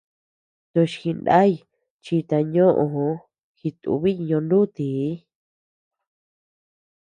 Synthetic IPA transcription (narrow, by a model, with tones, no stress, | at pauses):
t̪õ˧ʃxi˧nda̰˦i˧ | t͡ʃi˧t̪a˧ɲõ˦ʔõ˧˨hõ˧˦ | xi˧t̪ṵ˧βi˦˧ɲõ˧ndu˦t̪i˨˦